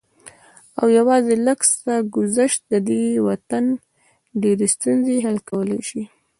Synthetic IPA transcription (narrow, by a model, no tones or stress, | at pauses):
awjawɑzeləkst̪aɡʊzaʃt̪̚d̪əd̪ewat̪an | ɖeɾest̪unzeɦalkawəlajʃi